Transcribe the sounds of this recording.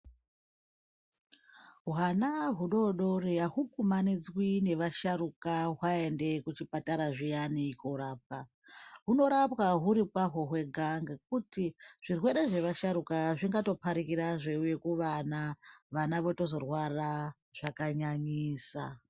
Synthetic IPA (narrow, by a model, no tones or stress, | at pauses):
wanaɦuɗo̞ɗo̞reaɦukumanid͡zwine̞ʋaʃaɾukaɦwae̞nde̞kut͡ʃipataɾaʐijanikoɾap̚ka | ɦuno̞ɾapwaɦuɾipwaɦo̞ɦwe̞ɡʱaŋɡakutiʐ̥irwe̞ɾe̞ʐe̞ʋaʃaɾukaʐiŋɡato̞pʰaɾikiɾaʐe̞uje̞kuʋanaʋanaʋo̞to̞zo̞rwara | ʐ̥akaɲaɲiːsa